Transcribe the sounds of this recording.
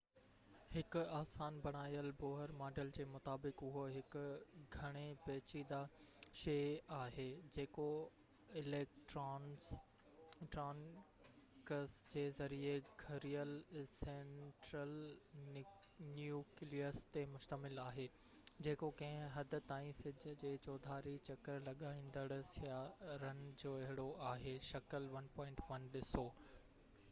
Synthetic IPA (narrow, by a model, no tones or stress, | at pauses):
hɪkʊ̆aːsaːnbɐɽ̃aːijəlboːɦəɾmaːɖəld͡ʑeːmʊt̪aːbɪkʊɦoɦɪkʊ̆ɡʱɐɽ̃epɛːt͡ɕid̪aʃeːaːɦeːd͡ʑeːko | ɪleːkʈːn | ʈɾaːn | kəsd͡ʑeːzɐɾieɡʱɐɾijəlsẽɳʈɾəl | njuːkliəɾst̪emʊʃt̪əmɪlaːɦeː | d͡ʑeːkokɐ̃ɦɪ̃ɦɐd̪ʱʊ̆t̪aːĩsɪd͡ʑʱə̆d͡ʑeːt͡ɕɔːd̪ʱaːɾit͡ɕɐkəɾlɐɠaːĩːn̆d̪əɽ̃əsjaɾənd͡ʑoːɐɦɪɽoʔaːɦeːʃɐkəlʋɐnpɔ̃ːɪ̃ɳʈʋɐnɗɪsoː